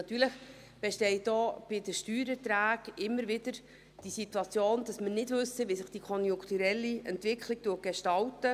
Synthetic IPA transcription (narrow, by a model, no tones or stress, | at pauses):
nɑt̪yːɾləχ | b̥eʃtɛɪdɔːb̥ɪdəʃtyːɾət̪ɾæːɡɪmːəɾvɪdəɾ | d̥isitwɑt͡sjoːnd̥ɑsmənɪdvʏsəʋisɪχd̥ikʰɔnjʊŋkʰt̪uɾɛlːiɛntvɪkχlɪk̚tuət̚ɡ̥eʃtɑltə